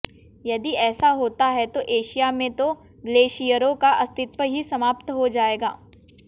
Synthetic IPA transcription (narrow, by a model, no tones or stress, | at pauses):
jɐd̪iɛːsaɦoːt̪aɦɛt̪oʔeːʃijamẽt̪o | ɡleːʃijəɾõkaʔɐst̪ɪt̪ʋəɦisɐmaːp̚t̪ɦod͡ʒaːeːɡa̰ː